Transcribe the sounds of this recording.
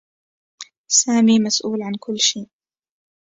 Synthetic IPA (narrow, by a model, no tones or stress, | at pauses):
saːmiːmasʔuːlʕankʊlːʃeːʔ